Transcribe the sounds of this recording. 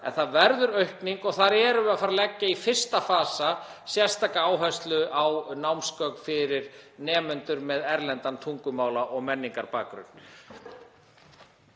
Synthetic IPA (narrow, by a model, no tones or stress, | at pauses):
ɛ̰nθaðvɛɾðʏɾœɥhkniŋkɔɣθaɾɛɾʏaðfaːɾalɛcːaifɪr̥st̪afaːsa | sjɛr̥st̪ʰaːkaaːwɦɛst̪lʏʔawnawmskœk̪fɪɾɪɾ̥nɛːmʏnt̪ʏɾmɛðɛɾlɛnt̪ant̪ʰuŋkʏmaːwlaʔɔɣmɛnːiŋkaɾpa̰ːkɾʏ̰n̥